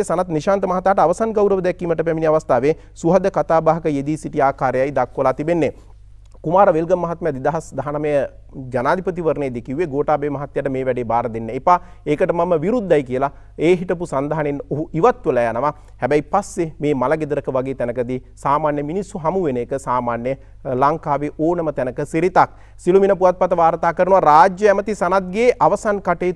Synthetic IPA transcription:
esanat̪niʃaːnt̪əmɐɦat̪aːʈəaʋɐsanɡawɾəʋəd̪ɛkːiːməʈəpæminiaʋast̪aːʋeː | suɦɐd̪əkat̪aːbaːɦɐkəjed̪iːsiʈiaːkaːɾejajd̪akːʋəlat̪ibenːe | kumaːɾəʋelɡəmːɐɦat̪̚məjad̪id̪aɦasd̪aɦanaməjə | d͡ʒanaːd̪ʱipət̪iʋəɾneːd̪ekiuʋeɡoːʈaːbeːmɐɦat̪jaʈəmeːʋɛɖeːbaːɾəd̪enːeːpa | ekəʈəmaməʋiɾud̪ːajkiəla | eːɦiʈəpusand̪aɦanenoɦuiʋat̪ʋəlɛjanəʋa | hɛbɛjpasːemeːmalaɡed̪əɾəkəʋaɡeːt̪ɛnəkəd̪i | saːmaːnjəminisːuɦamuʋeneːkəsaːmaːnjə | laŋkaːʋeʔoːnəmət̪ɛnəkəsiɾit̪ak̚ | siluminəpuʋat̪̚pat̪əʋaːɾt̪aːkəɾənuʋaɾaːd͡ʒjəæmət̪isanat̪̚ɡeːʔaʋɐsankaʈeː

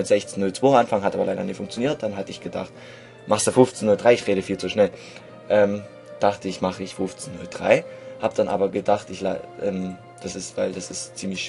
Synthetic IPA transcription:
ɪtz̥ɛçt͡snːʊlt͡sv̥oːmʔanfaŋɦatʔaːbɐlaɪdɐnɪːtfʊŋkt͡sjoniːɐt̚d̥anɦatəɪçɡ̥əda̰χt | maχstd̥uːfʊft͡snːʊldʁaɪɪçʁ̥eːɾəfiːlt͡suʃnɛl | ʔɛːm | d̥aχtəɪçmaχəɪçfʊft͡snʊld̥ʁa̰ɪhaːbəd̥anʔa̰ːbɐɡədaχtɪçlaʔɛ̰ːm | d̥asɪstv̥aɪldasɪstt͡siːmlɪçʃ

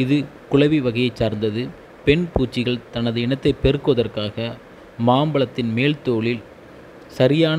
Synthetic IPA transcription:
ɪðɯkʊɭɐʋiʋɐɣɐjɐɪt͡ʃsaːɾnd̪ɐðɯ | pɛɳpuːt͡ʃːɪɣɐɭt̪ɐnɐðɯɪnɐt̪ːɐɪpɛɾɯkːɯʋɐðɐrkaːɣɐ | maːmbɐɭɐt̪ːɪnmeːlt̪oːɭɪl | sɐɾɪjaːn

